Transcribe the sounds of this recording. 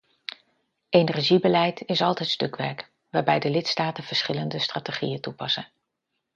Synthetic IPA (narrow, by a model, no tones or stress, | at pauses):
enɛɹʒibəlɛjtʰɪsɑlˠtɛjtstɵkʋɛ̰ɹk | ʋaːɹbɛjdəlɪtstaːtənv̥əɹsχɪləndəstraːteχḭjətupɑsən